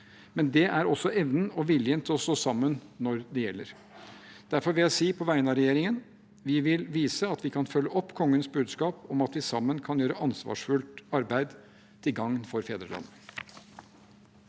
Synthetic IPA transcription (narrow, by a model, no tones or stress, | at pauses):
mɛnd̪ɛʔæɾɔsːɔʔɛʋnəɔʋɪljənt̪ʰɔsɔsɑmːənnɔɾd̪ɛjɛlːəɾ | d̪̥æɾfɔɾʋɪljæɪsiːpʰɔʋæɪənɑɾɛjeːɾɪŋən | ʋɪʋɪlʋiːsəɑt̪ʋɪkʰɑnfœlːəʔɔpːkʰɔŋːənsbʉːd̪skɑːpɔmɑt̪ʋɪsɑmːənkʰɑnjøːɾəʔɑnsʋɑ̰ːʂfʉlt̪ɑɾbæɪd̪ | t̪ʰɪlɡɑŋːnfɔɾfeːd̪ɾəlɑ̰nːə